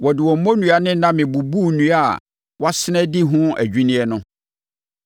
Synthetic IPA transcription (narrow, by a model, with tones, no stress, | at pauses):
wɔ˨dɪ˨wɔ˨m̩˦mɔ̃˦nũ˨a˨nɪ̃˦nã˦mɪ̃˨bu˨bu˦˨nũ˦a˦˨ | wɔ˦sɪ˦nɛ̃˦dɪ˦ɦʊ̃˦æ̰˨d͡ʑᶣi˦nĩ˦ɛ˦nʊ̃˦